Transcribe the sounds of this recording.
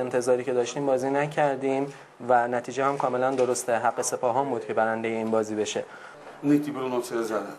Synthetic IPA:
ent̪ʰe̞zɒːɾiːcʰe̞d̪ɒːʃt̪iːmbɒːziːnæcʰæɾd̪iːm | vænæt̪ʰiːd͡ʒehæmkʰɒːme̞lænd̪o̞ɾost̪eɦæɢːe̞se̞pʰɒːɦɒːmbuːd̪̚cʰebæɾænd̪e̞jeiːnbɒːziːbe̞ʃe̞ | net̪ibeɾonoseezæd̪æn

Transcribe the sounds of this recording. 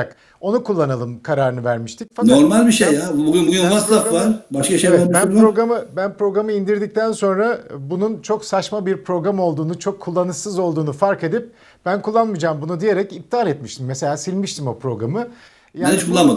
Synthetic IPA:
ak | o̞nukʰulˠːanalˠɯmkʰaɾaːɾɯnɯvæɾmiʃt̪ʰicfanoɾmalʲbiʃejabuɡynbuɡynasafvaɾbaʃkaʃeeɛbænpɾo̞ɡɾamɯbænpɾo̞ɡɾamɯind̪iɾd̪ic̚t̪ʰænso̞nɾabununt͡ʃʰo̞ksat͡ʃmabiɾpʰɾo̞ɡɾamo̞lˠd̪uːnut͡ʃʰo̞kʰːulˠːanɯsɯzo̞lˠd̪uːnufaɾke̞d̪ip̚ | b̥ænkʰulˠːanmɯd͡ʒaːmbunud̪ije̞ɾɛcip̚t̪ʰalʲɛt̪miʃt̪ʰimːese̞lʲaːsilʲmiʃt̪ʰimo̞pɾo̞ɡɾamɯ | janit͡ʃkʰulˠːanma

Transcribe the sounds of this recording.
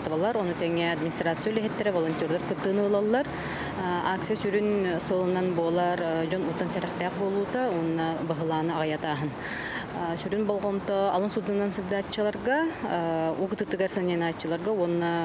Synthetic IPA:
t̪valˠaɾɔnut̪ɛŋɛad̪minʲist̪rat̪sɨjulʲɛɦɛt̪ːɛɾɛvɔlˠɔnʲt̪ʲɔɾd̪ɔɾkɯt̪ːɯːnɯːlˠalˠlːˠaɾ | ak̚t̪sɨjasyɾynsɯːlˠɯnːanbuɔlˠaɾd͡ʒɔnut̪ːɔnsɛɾɛχt̪ɛːq̚bolˠuːt̪auɔnːabaɦɯlˠaːnɯaʁajat̪aːɦɯn | syɾynbɔlˠʁɔnt̪ɔɑ̰lˠɯnsud̪ːunːansulʲd̪at͡ʃːɯlˠaɾʁɑ | ukɯt̪ɯt̪ːɯɡaɾsanɛnat͡ʃːɯlˠaɾɡauɔnːa

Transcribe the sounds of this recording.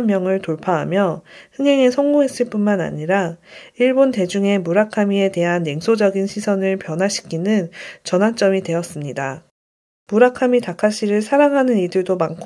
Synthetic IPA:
mːjʌŋɯɭtoɭpʰaɦamjʌhɯŋɦe̞ŋe̞sʰʌŋɡuɦe̞s͈ɯɭp͈unmana̰ɲiɾaiɭbonte̞d͡ʑuŋe̞muɾakʰamie̞te̞ɦanjeŋsʰod͡ʑʌɡinɕʰisʰʌnɯɭpjʌnɦaɕʰi̥kʰinɯnt͡ɕʌnɦwant͡ɕ͈ʌmidwe̞ʌs͈ɯmɲida | muɾakʰamitakʰaɕ͈ʰiɾɯɭsʰaɾaŋɦanɯnidɯɭdomankʰ

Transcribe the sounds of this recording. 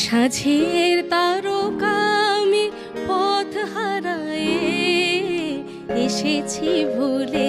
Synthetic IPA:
ʃad͡ʒʱieɾt̪aɾokami | pɔt̪ʰhaɾaje | eʃet͡ʃʰibʱole

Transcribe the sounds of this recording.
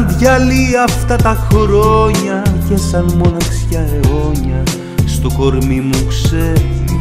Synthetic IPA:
nd̪ʝɐliɐft̪ɐt̪ɐxɾo̞ɲɐʝesɐnmo̞nɐksçɐɾeo̞ɲɐ | st̪o̞ko̞ɾmimukse

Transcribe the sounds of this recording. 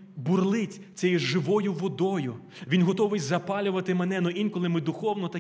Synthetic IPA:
burlˠɪtʲ | t͡sʲɛjʊʒɪʋɔjʊʋɔd̪ɔjʊ | ʋʲinɦɔt̪ɔʋɪjzɐpɑlʲʊʋɐt̪ɪmenɛnɔʔinkɔlˠɪmɪd̪ʊxɔwnɔt̪ɐ

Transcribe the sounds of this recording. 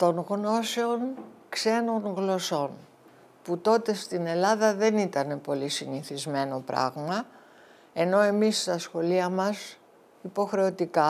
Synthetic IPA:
t̪o̞nɣno̞se̞o̞nkse̞no̞ŋɣlo̞so̞n | put̪o̞t̪e̞st̪ine̞lɐðɐðe̞nit̪ɐne̞po̞lisiniθizme̞no̞pɾɐ̰ɣmɐ | e̞no̞e̞mist̪ɐsxo̞liɐmɐs | ipo̞xɾe̞o̞t̪ikɐ

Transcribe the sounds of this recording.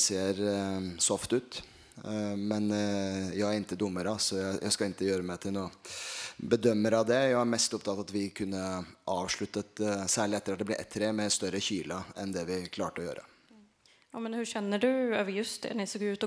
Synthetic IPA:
seːɾsɔft̪ʉːt̪ | mɛnjæɪæɾɪnt̪ːəd̪ʊmːəɾəɑsɔjæɪjæ̰ɪskɑɪnt̪əjøːɾəmæɪt̪ʰɪlnuː | bəd̪œmːəɾɑʋd̪ɛjæɪæɾmɛst̪ʊpt̪ɑt̪ːɑt̪ʋɪkʰʉnːəʔɑːʋʂɭʉt̪ːət̪sæːɭɪɛt̪ːəɾɑt̪̚d̪ɛblɪɾʔɛ̰t̪ʰːɾɛmɛst̪œɾəçiːləɛnd̪ɛʋɪkʰlɑːʈəɔjø̰ːɾə̰ | jɑmɛnhʉʂɛnːəɖʉø̰ːʋəɾjɵst̪̚d̪ɛ̰nɪsoːɡʉːt̪ɔ

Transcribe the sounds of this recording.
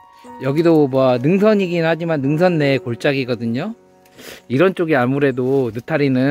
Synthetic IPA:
jʌɡidomwʌnɯŋsʰʌɲiɡinhad͡ʑimanːɯŋs̬ʰʌnːe̞koɭt͡ɕ͈aɡiɡʌdɯɲo | iɾʌnt͡ɕ͈oɡiamuɾe̞donɯtʰaɾinɯ

